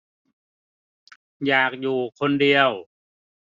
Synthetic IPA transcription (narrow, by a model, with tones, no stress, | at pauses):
jaː˨˩k̚juː˨˩kʰo˧ndi˧əw